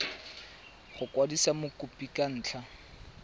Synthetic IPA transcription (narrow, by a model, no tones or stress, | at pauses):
χʊkʼwadisamʊkʼʊpʼikʼan̩ːt͡ɬʰa